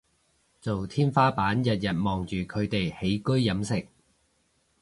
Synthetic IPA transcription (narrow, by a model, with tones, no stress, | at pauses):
t͡so˨wt̪ʰiː˥nfaː˥paː˨˥njɐ˨t̚jɐ˨t̚mɔː˨ŋt͡ʃyː˨˩kʰɵ˨˧ɥt̪e˨jhe˨˥jkɵ˥ɥːɐ˨˥msɪ˨˩k̚